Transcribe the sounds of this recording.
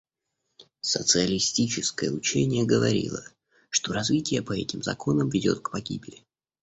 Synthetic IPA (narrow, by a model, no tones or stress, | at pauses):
sət̪sɨəlʲɪsʲtʲit͡ɕɪskəjəʊt͡ɕenʲɪjəɡəvɐɾʲḭlˠə | ʂt̪o̞ɾɐzvʲitʲɪjəpɐɛtʲɪmzɐ̰ko̞nəmvʲɪdʲo̞t̪̚kpɐɡʲibʲɪlʲɪ